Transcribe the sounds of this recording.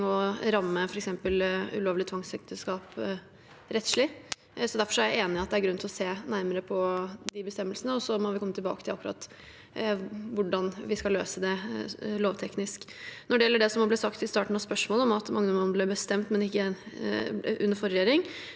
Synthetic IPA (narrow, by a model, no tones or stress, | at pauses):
ɔɾɑmːəfɔɾɛksɛmpəlʉ̰loːʋlɪt̪ʰʋɑŋsɛk̚t̪əskɑːp | ɾɛt̪ʂɭɪ | sɔd̪æɾfɔʂæɾjæeːnɪɑt̪d̪ɛæɾɡɾʉnt̪ɪlɔseːnæɾməɾəpʰɔd̪ɪbəst̪ɛmːəlsənəɔsɔmɔʋɪkʰɔmːət̪ɪlbɑ̰ːkət̪ʰɪlɑkːɾɑ̰t̪ | ʋʊɖɑnʋɪskɑlːøːsəd̪ɛloːʋt̪ʰɛknɪsknɔɖɛjɛlːəɖɛsɔmɑblɛːsɑkt̪ɪst̪ɑːʈɳ̩n̩ɑʋspœʂmoːləɔmɑt̪mɑ̰ŋːənɔmɔnblɛbəst̪ɛmt̪mɛnɪkːə | ʉnːəɾfɔɾɛjeːɾɪŋ